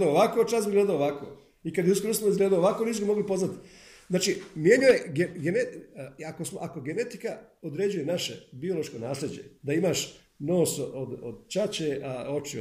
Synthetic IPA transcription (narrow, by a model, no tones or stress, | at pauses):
d̪aooʋako̞t͡ʃaːsbiɡleːd̪aoːʋako̰ː | ikad̪jeuskoɾosamoizɡleːd̪aoːʋakoniːsubimo̞ɡlipo̞znat̪i̥ | znaːt͡ʃimje̞ɲuje̞ɡeɡeneako̞smo̞ʔakoɡene̞t̪i̥kaod̪ɾed͡ʑuje̞naʃe̞bio̞lo̞ʃkonaːslʲe̞d͡ʑe̞̰d̪aimaʃ | no̞ːsod̪o̰d̪t͡ʃat͡ɕeʔao̞t͡ʃḭ